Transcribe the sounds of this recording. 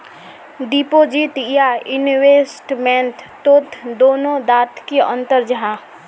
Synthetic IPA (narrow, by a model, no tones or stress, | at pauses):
d̪ipoːd͡ʒit̪jaɪnweːsʈmɛ̃nt̪t̪oːt̪ʰd̪oːnõd̪aːt̪kiə̰̃nt̪əɾd͡ʒəɦãː